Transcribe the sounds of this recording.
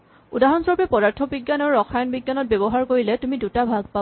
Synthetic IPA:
udaɦɔnsɔɹpɛpɔdaɹtʰɔbiɡjanɔɹɔxʰajɔnbiɡjanɔt̚bɛbɔɦaɹkoɹilɛtumidutabʱaɡ̚pa

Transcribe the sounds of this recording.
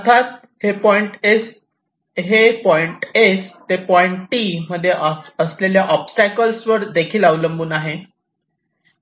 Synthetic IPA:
ət̪ʰat̪ | hepɔiɳʈes | ɦepɔiɳʈest̪epɔiɳʈʈiməd̪ʱːjeʔəsleljaʔɔpsʈækəlsʋəɾd̪ekʰiːlaʋləmbuːnaɦe

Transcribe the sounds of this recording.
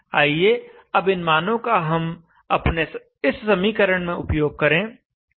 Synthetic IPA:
aːieː | ɐbɪnmaːnõkaɦɐm | ɐpne | ɪsːɐmiːkəɾəɽ̃mẽʊpjoːɡ̚kɐɾẽː

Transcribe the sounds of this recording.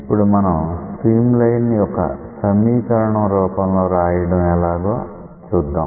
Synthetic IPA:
ipːuɽumɐnɐmpɾiːmlɐjnːiɔkɐ̰sɐmiːkɐɾɐɳɐmɾuːpɐmlo̞ːɾaːjɐɽɐmɛlaːɡoː | t͡ʃuːd̪ːaːm

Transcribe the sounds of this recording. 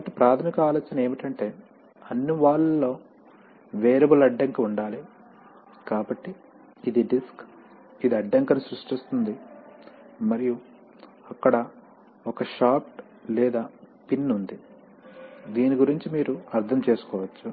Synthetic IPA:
t̪ɐpɾaːt̪ʰɐmikaːloːt͡ʃɐnɐe̞ːmiʈɐɳʈe̞ː | ɐnːiʋaːɭɐlːo̞ː | ʋeːɾɐbulɐɖːɐŋkɐuɳɖaːli | kaːbɐʈːiː | d̪iɖisk | id̪iɐɖːɐŋkɐnusɾuʂʈist̪und̪i | mɐɾiju | ɐkːɐɽɐ | ɔkɐʃaːp̚ʈ | lɛːd̪aː | pinːund̪i | d̪iːniɡuɾiɲt͡ʃimiːɾuɐɾt̪ʰɐmt͡ʃe̞ːsu̥kɔːʋɐt͡ʃːu

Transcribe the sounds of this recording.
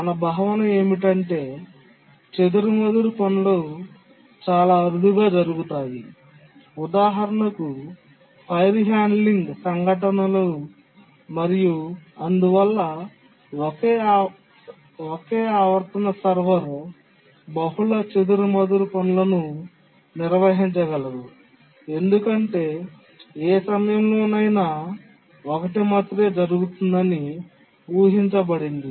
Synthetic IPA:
mɐnɐbɐɦɐʋɐnɐeːmiʈɐɳʈe̞ː | t͡ʃed̪uɾumɐd̪uɾupɐnulo | t͡ʃaːlaːɐɾud̪iɡaːd͡ʒɐɾuɡut̪aːji | ud̪aːɦɐɾɐnɐku | pʰɐjɾɦaːnɖliŋɡsɐŋɡʱɐʈ̬ɐnɐloː | mɐɾijuɐnd̪uʋɐlːɐ | keː | okeːaːʋɐɾt̪ɐnɐsɐɾʋɐɾ | bɐɦulɐt͡ʃed̪uɾumɐd̪ɐɾupɐnulɐnu | niɾʋɐɦiɲt͡ʃɐɡɐlɐd̪u | e̞nd̪ukɐɳʈe̞ː | eːsɐmɐjɐmlo̞ːnɐjna | okɐʈimɐt̪ɾe̞ːd͡ʒɐɾuɡut̪und̪ɐni | buːɦiɲt͡ʃɐbɐɽind̪i

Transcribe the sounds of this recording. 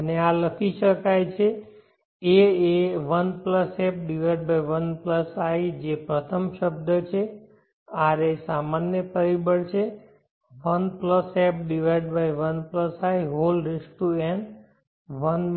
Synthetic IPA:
ənealəkʰiʃəkajt͡ʃʰe | eeʋənpləsɛp̚ɖiʋajɖ̚bajʋənpləsajd͡ʒepɾət̪ʰəmʃəbd̪ət͡ʃʰe | aɾesamanjəpəɾibəɽt͡ʃʰe | ʋənpləsep̚ɖiʋajɖbajʋənpləsajɦolɾɪsʈuen | ʋən

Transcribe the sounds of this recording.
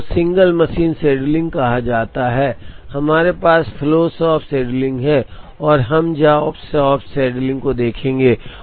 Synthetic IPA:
sɪ̃ŋɡəlmɐʃiːnsɛːɖlɪ̃ŋɡ̚kɐɦad͡ʒaːt̪aɦɛːhɐmaːɾepaːsfʰɪloːsɔːpʰsɛːɖlɪ̃ŋɡɦɛ̃ɔːɾɦɐmd͡ʒaːpsɔːpsɛːɖlɪ̃ŋɡkod̪eːkʰẽːŋɡeː

